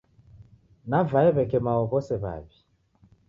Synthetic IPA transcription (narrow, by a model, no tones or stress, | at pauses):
navaɛβɛkɛmawɔβɔsɛβa̰βi